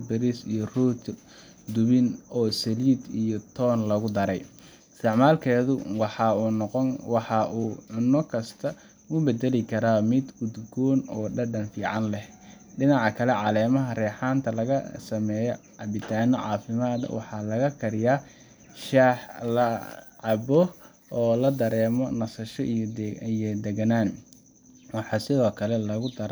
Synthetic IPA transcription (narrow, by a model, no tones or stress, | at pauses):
bɛɾisḭjɔruːt̪ʰ | d̪ʊβɪnɔːsɛliːd̪ijɔt̪ʰɔːnlɐɣʊd̪ɐɾɛj | st̪ɛʕmaːlkʰɛːðʊwɑħɑqɔwɑħɑʔuːʕʊnːɔkʰɐst̪ʰɐ | ʊbɛd̪ɛlɪkʰɐɾaːmɪd̪ɡʊd̪ɡɔːnɔːɖɐɖɐnfiːʕɑnlɛh | ɖɪnɑʕɑkʰɐlɛʕɑlɛːmɐɦɐrɛːħaːnt̪ʰɐlɐɣɐsɐmɛːjɔ̰ʕɑbɪt̪ʰaːnɔʕɑ̰ːfɪmaːd̪ɐ̰wɑ̰ħɑlɐɣɐkʰɐɾɪjaː | ʃaːħlɐʕɑbɔ | ɔːlɐd̪ɐɾɛːmɔnɐsɐʃɔʔ̪ijɔd̪ɛɡɐnaːn | wɑħɑsɪðɔːkʰɐlɛlɐɣʊd̪ɐɾ